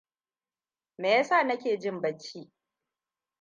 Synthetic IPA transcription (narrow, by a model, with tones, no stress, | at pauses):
meː˨ja˦saː˦˨nɐ˦kʲeː˨d͡ʒɪ˦mbɐ˦t͡ʃʲːiː˦